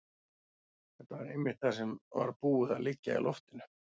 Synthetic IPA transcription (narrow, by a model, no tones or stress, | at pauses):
hɛht̪ːavaɾejmɪ̥t̪θasɛmva̰ɾpuːɪðalɪcːa̰ḭlʔɔft̪ɪnʏ̥